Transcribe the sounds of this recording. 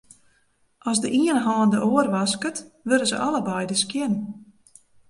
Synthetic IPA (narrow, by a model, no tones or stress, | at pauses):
ɔsdəʔiənɦɔːndəʔoːərʋaskətʋøɾəzə̰ʔɑləbajdəskjɪnn